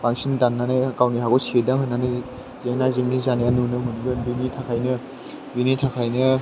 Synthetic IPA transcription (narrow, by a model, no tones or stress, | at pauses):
pʰaŋsindanːanajkawniɦakɔsedaŋɦɯnːanɯ | zeŋnazeŋnizanejanunɯmɯnuŋɡɯbinitʰakʰajnɯ | binitʰakʰajnɯ